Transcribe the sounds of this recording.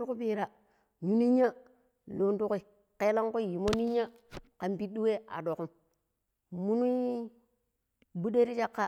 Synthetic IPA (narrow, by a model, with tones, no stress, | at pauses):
u˦ku˦pi˦ɾa˨ | ɲu˦ni˦ɲa˦ | lo˨ntu˦ki˦ | ke˦la˦ŋ˦ku˦˨ji˨mo˦ni˦ɲa˦ | ka˨mpi˦du˦we˦a̰˨do˨ku˦m | mu˦nu˦ | bu˦de˦ɾi˦t͡ʃa˦kːa˦